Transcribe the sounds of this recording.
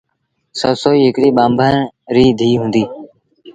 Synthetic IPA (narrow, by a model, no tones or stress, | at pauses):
səːsoːiːɦɪkɽiːɓaːmbʱəːnɾiːd̪ʱiːɦũːnd̪iː